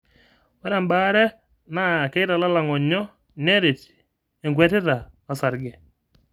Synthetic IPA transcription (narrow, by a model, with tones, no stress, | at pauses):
wɛ˦ɾa˨mba˦ɾɛ˦ | na˦˨ke˦ɪ˦ɾa˨la˦la˨ŋɔ˨ɲɔ˦ | ne˦ɾe˨t | e˨ŋɡwɛ˦tɪ˦ɾa˨a˨sa˨ɾɡɛ˨